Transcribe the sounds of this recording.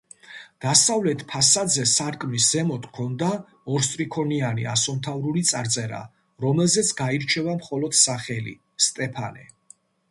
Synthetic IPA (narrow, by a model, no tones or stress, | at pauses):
d̪̥asavlɛt̪ʰpʰasad̪zɛsaɾkʼmisz̥ɛmɔt̪ʰkʰɔnd̪a | ɔɾst̪ʼɾikʰɔnianiasɔnt̪ʰavɾulit̪sʼaɾt̪sʼɛɾa̰ | ɾɔmɛlzɛt̪sʰɡaiɾt͡ʃʰɛvamχɔlɔd̪̥saχɛlḭ | st̪ʼɛpʰanɛ̰